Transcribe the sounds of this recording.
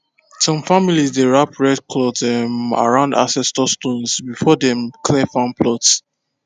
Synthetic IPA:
sɔ̃mfamilizdeɹapɹɛd̚kʰlɔddɛ̃ma̰ɹãʊ̃nda̰sɛstɔstõnsbifɔdɛ̃mkʰlɛfãnpʰlɔts

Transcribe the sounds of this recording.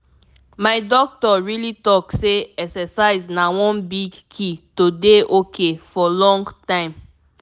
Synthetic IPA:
maɪdɔk̚tɔɹilitɔkseɛksɛsaɪznawɔ̃nbiɡkʰitodeʔokʰefɔlɔ̃ŋɡtãɪ̃m

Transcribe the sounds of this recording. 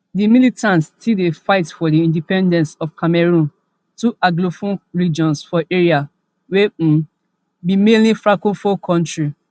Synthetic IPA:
dimilitãntstidefaɪtfɔdiĩndipɛ̃ndɛ̃ntsɔfkʰamɛɹũn | tuʔaɡlofũnɹid͡ʒɔ̃nsfɔʔeɹia | wẽ | bimẽnlifɹakofɔkʰɔ̃ntɹi

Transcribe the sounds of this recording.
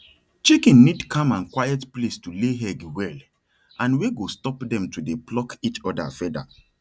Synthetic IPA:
t͡ʃikĩnːidkʰãmãnkwajɛtplestuleɦɛɡwɛl | ãnweɡostɔpdɛ̃mtudeplɔkit͡ʃɔda̰fɛda̰

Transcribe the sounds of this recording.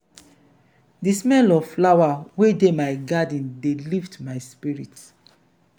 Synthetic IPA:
dismɛlɔvflawawedemaɪɡadĩndeliftmajspiɹit

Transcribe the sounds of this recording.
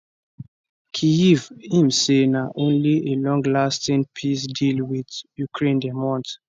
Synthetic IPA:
kʰiivĩmsenaʔõnlielɔ̃ŋɡlastĩnpʰisdilwidjukʰɹẽndɛmɔ̃nt

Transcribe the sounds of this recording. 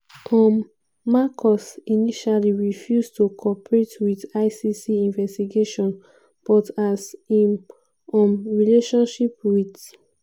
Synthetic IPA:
tʰɔ̃mː | akʰɔsiniʃaliɹifjustukʰɔpɹetwidaɪsisiĩnvɛstiɡeʃɔ̃n | b̥ɔtazĩm | ɔ̃mɹileʃɔ̃nʃipwid

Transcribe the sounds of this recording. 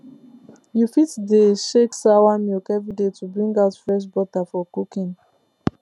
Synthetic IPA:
jufitdəʃeksawamikɛvɹidetubɹĩŋɡaʊtfɛʃbɔtafɔkukĩn

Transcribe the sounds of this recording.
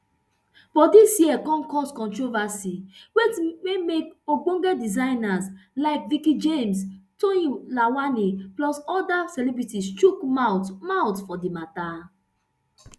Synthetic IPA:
fɔdisjiɛkɔ̃nkɔskɔ̃ntɹovasiwetmemekoɡ͡bõŋɡɛdizãɪnaslaɪkvikid͡ʒẽmstoĩlawaniplɔsɔdasɛlɛbɹitistukmatmawtfɔdimata

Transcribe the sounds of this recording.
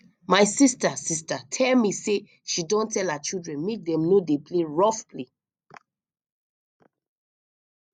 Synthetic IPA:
maɪsistasis̬tatʰɛlmise | ʃidɔ̃ntʰɛlat͡ʃildɹɛ̃nmek̚dɛ̃mnodepʰleɹɔfpli

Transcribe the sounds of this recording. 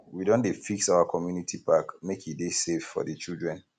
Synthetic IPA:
widõndefiksaʊakʰɔmjunitʰipakmekidesefːɔ̰dət͡ʃildɹɛ̃n

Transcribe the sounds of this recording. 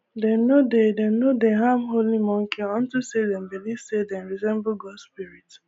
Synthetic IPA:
dɛnnodedɛnnodeɦãmɦolimɔ̃ŋ̩kiɔn̩tusedɛ̃mbiliv̥sedɛnɹizɛ̃mboɡɔdspiɾit

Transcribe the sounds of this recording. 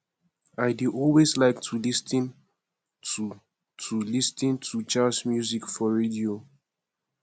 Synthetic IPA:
aɪduʔɔlweslaɪktʰulistĩn | tu | tʰulistĩntʰut͡ʃasmjuzikfɔɹedio

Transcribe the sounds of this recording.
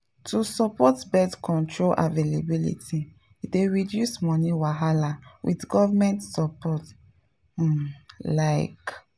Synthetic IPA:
tusɔpɔtbɛtkɔ̃ntʰɹolʔa̰velabilḭtʰi | ideɹidjusmɔniwaɦalawʔḭtɡɔvamɛ̃ntsɔpɔt̩ | laɪk

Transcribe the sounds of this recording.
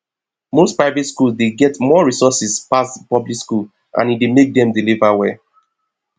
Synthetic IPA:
mospɹaɪvɛtskulzdeɡɛtmɔɹisɔsispaspɔblikskul | ʔã̰nidemek̚dɛ̃mdilivawɛ

